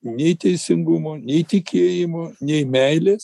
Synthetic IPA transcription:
nʲɛɪt̪ʲɛɪsʲɪŋɡʊmoːnʲɛɪt̪ʲɪkʲeːjɪmoːnʲɛɪmʲɛɪlʲeːs

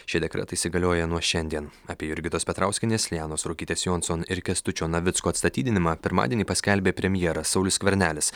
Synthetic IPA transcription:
ʃʲɪd̪ʲɛkɾʲɛ̰t̪ɐiːsʲɪɡɐlʲoːjɛnuɔʃʲɛnʲd̪ʲiɛnɐːpʲiɛjʊɾʲɡʲɪt̪oːspʲɛt̪ɾɑˑʊsʲkʲɪnʲeːslʲjæːnoːsɾoːkʲiːt̪ʲeːsjoːnsoːnɪɾkʲɛst̪ʊt͡ʃʲoːnɐʋʲɪt̪skoːɐt̪st̪ɐt̪ʲiːd̪ʲɪnʲɪmɑːpʲɪɾmɑ̰ːd̪ʲiɛnʲiːpɐsʲkʲɛlʲbʲeːpʲɾʲɛmʲjɛɛɾɐsɒʊlʲʊsʲkʲʋʲɛɾʲnʲæːlʲɪs

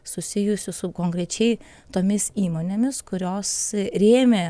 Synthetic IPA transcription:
sʊsʲɪjʊsʲʊsʊkoŋkɾʲɛt͡ʃʲɛɪ | t̪oːmʲɪsiːmonʲemʲɪskʊɾʲoːsɾʲeːmʲe

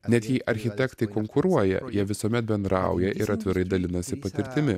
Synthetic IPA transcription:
nʲɛt̪jiːʔɐɾʲxʲɪt̪ʲɛkt̪ɐɪkoŋkʊɾuɔjɛ̰jiɛʋʲɪsuɔmʲɛt̪̚bʲɛnd̪ɾɑʊjɛʔɪɾɐt̪ʲʋʲɪɾɐɪd̪ɐlʲɪnɐsʲɪpɐt̪ʲɪɾʲt̪ʲɪmʲɪ

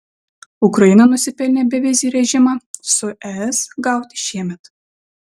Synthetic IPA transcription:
ʊkɾɐjɪnɐnʊsʲɪpʲɛlʲnʲeːbʲɛʋʲɪzʲiːɾʲɛʒʲɪmɑsʊʔɛɛsɡɑˑʊt̪ʲɪ̥ʃʲiɛmʲɛt̪

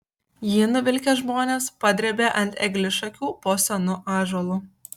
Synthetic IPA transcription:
jɪnʊʋʲɪlʲkʲeʒmoːnʲeːspɐd̪ʲɾʲɛbʲeːʔɐnʲt̪ʲɛɡlʲɪʃɐkʲuːpoːsʲɐnʊʔɑːʒoːlˠuː

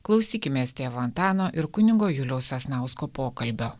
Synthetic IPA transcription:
klˠɐʊsʲiːkʲɪmʲeːst̪ʲeːʋoːɐnt̪ɑːnoːʔɪɾkʊnʲɪɡoːjʊlʲɛʊsɐsnɑˑʊskoːpoːkɐlʲbʲoː

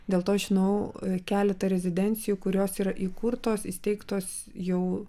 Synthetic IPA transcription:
d̪ʲeːlˠt̪oːɐʃʒʲɪnɐʊkʲæːlʲɛt̪ɐɾʲɛzʲɪd̪ʲɛnʲt͡ssʲɪjukʊɾʲoːsiːɾɐʔiːkʊɾt̪oːsɪst̪ʲɛɪkt̪oːs | jɛʊ

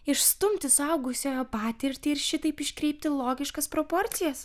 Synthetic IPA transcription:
ɪʃst̪ʊmʲt̪ʲɪsɐʊɡʊsʲoːjopɑːt̪ʲɪɾʲt̪ʲɪɪɾʃʲɪt̪ɐɪpɪʃʲkɾʲɛɪp̚ʲt̪ʲɪlˠoːɡʲɪʃkɐspɾoːpoɾʲt̪sʲɪjɛs

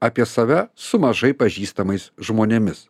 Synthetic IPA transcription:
ɐːpʲiɛsɐʋʲɛsʊmɐʒɐɪpɐʒʲiːst̪ɐmɐɪsʒmoːnʲemʲɪs

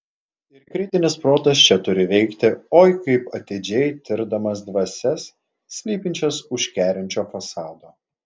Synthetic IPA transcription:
ɪɾkɾʲɪt̪ʲɪnʲɪspɾoːt̪ɐst͡ʃʲɛt̪ʊɾʲɪʋʲɛɪkt̪ʲɪoːjkɐɪpɐt̪ʲɪd͡ʒʲɛɪt̪ʲɪɾd̪ɐmɐsd̪ʋɐsʲɛsːʲ | lʲiːpʲɪnʲt͡ʃʲɛsʊʃʲkʲæːɾʲɛnʲt͡ʃʲoːfɐsɑːd̪oː

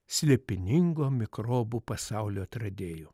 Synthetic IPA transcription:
sʲlʲeːpʲɪnʲɪŋɡoːmʲɪkɾoːbupɐsɑʊlʲoːɐt̪ɾɐd̪ʲeːjoː

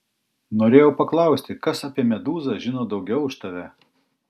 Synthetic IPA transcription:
noːɾʲeːjɛʊpɐklˠɐˑʊsʲt̪ʲɪkɐsɐpʲiɛmʲɛd̪uːzɐʒʲɪnoːd̪ɒʊɡʲɛʊʊʃt̪ɐʋʲɛ

